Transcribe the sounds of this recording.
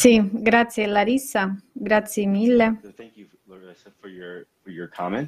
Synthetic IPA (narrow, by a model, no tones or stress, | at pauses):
siɡɾat̪sjelaɾisːaɡɾat̪sjemilːẽŋ | fəjə˞fəɹjə˞kʰɑmɛ̃n